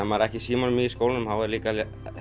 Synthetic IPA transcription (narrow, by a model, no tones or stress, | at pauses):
amːaɾɛhcɪsiːmanmiðiskowlnʏmhawɛɾliːkal